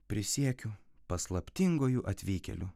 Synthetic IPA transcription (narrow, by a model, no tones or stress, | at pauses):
pʲɾʲɪsʲiɛkʲʊpɐslˠɐpʲt̪ʲɪŋɡoːjuʔɐt̪ʲʋʲiːkʲɛ̰lʲʊ